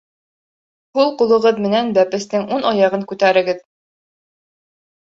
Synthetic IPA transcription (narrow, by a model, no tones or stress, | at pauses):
hulˠqulˠɤ̆ʁɤðmɘ̆nænbæpɘ̆st̪ɘŋʔunʔɑjɑʁɤŋkʉt̪æɾɘ̆ɡɘð